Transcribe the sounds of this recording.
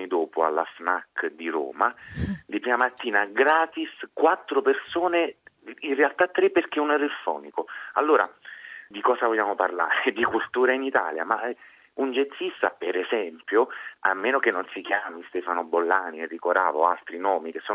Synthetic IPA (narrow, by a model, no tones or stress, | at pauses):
id̪oːpʊa̰lːa̰znakd̪iɾo̰ːmad̪ipɾiːmamat̪ːiːnaɡɾaːt̪iskwat̪ːɾopersoːneinrealt̪at̪ːɾepːerk̟eunɛɾilfɔ̰ːnikoalːoːɾa̰d̪ikɔːsavoʎːaːmoparla̰ːɾed̪ikult̪uːɾainit̪a̰ːlja̰ma | und͡ʒet̪sːist̪apeɾɛzɛmpjoa̰mːeːnokenːonsikjaːmist̪ɛːfanobolːaːniɛrːikoɾa̰ːvo̰alt̪ɾinɔːmikesːɔː